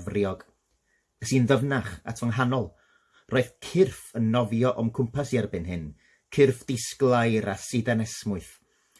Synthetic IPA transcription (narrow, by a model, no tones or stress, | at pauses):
vrjɔɡ̥ | əsiːnðəvnaχa̰tʰɔnɦanɔlˠ | roːɨð̥kʰɪrfənːɔvjɔʔɔmkʰʊmpʰasjarbɨnɦɨn | kʰɪrfd̥ɪsɡlˠajɾasɨdanɛsmʊɨθ